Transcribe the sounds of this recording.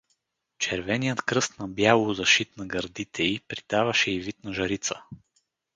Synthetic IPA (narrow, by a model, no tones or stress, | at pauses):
t͡ʃɛɾvɛnijət̪kɾɤst̪nɐbjalˠʊzɐʃit̪nɐɡɐɾd̪it̪ʰɛipɾit̪avɐʃɛivit̪nɐʒɐɾit̪sə